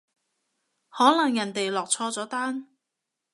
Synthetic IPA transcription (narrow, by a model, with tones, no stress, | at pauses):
hɔː˨˥nɐ˨ŋjɐ˨˩nt̪e˨jlɔː˨k̚t͡sʰɔː˧t͡sɔː˨˥t̪aː˥n